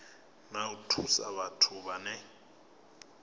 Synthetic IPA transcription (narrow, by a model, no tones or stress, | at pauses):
nautʰusa̰βatʰʊβanɛ